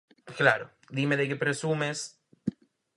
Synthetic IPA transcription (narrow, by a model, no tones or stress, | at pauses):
klaɾo | d̪imeðekepɾesumes